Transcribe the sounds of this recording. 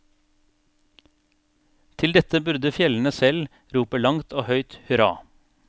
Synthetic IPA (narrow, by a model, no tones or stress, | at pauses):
t̪ʰɪld̪ɛt̪əbʉɾd̪əfjɛln̩əsɛl | ɾuːpəlɑŋt̪ʰoːhœʏt̪hʉɾɑ̰ː